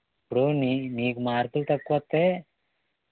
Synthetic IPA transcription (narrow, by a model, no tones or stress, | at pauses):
pːɽoːniniːɡumaːɾt̪ult̪ɐkːuʋɐt̪ːeː